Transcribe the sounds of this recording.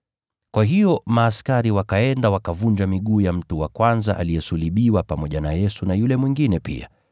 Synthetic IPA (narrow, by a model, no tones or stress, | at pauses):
kwaɦijɔmaːskaɾiwakaɛndawakavund͡ʒamiɠuːjam̩tuwakwanza̰ʔa̰lijɛsuliɓiwapamɔʄanajɛsunajulɛmwiŋɡinɛpḭa̰